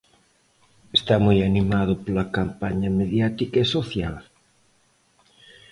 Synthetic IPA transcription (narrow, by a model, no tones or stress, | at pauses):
est̪amojanimaðʊpolɐkampaɲɐmeðjat̪ikɐesoθjal